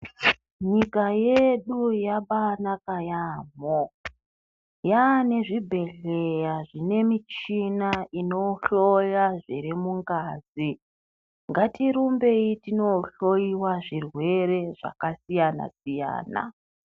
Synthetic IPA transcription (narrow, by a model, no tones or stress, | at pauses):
ɲikaje̞ɗujaɓanakajaːmo | jane̞ʐibʱe̞ɮe̞jaʐine̞mit͡ʃinaino̞ɬo̞jaʐiɾimuŋɡaːzi | ŋɡatiɾumbe̞itino̞ɬojiwaʐirwe̞re̞ʐa̰kasijana̰sija̰ːna̰